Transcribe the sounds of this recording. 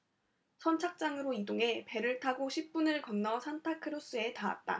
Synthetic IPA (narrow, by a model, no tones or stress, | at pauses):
sʰʌnt͡ɕʰak̚t͡ɕ͈aŋɯɾoidoŋe̞pe̞ɾɯɭtʰaɡoɕʰip̚p͈unɯɭkʌnːʌsʰantʰakʰɯɾos͈ɯe̞taa̰t̚t͈a̰